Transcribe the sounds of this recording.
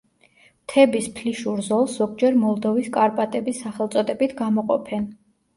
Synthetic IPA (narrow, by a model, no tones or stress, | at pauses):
t̪ʰɛbispʰliʃuɾzɔlˠsz̥ɔɡ̚d͡ʒɛɾmɔlˠd̪ɔviskʼaɾpʼat̪ʼɛbisːaχɛlˠt̪sʼɔd̪ɛbit̪ʰɡamɔqʼɔ̰pʰɛn